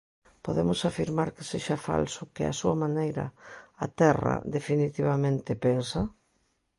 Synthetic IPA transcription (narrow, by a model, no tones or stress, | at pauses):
poðemʊsafiɾmaɾkeseʃafa̰lsʊkɪa̰suɐmanejɾɐ̰at̪ɛrɐ̰ðefinit̪iβamẽnt̪ɪpensɐ